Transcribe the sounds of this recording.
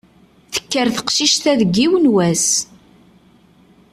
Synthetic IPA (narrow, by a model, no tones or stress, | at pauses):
θə̥kːəɾθə̥qʃiʃt̪æðəɡːiwənwæs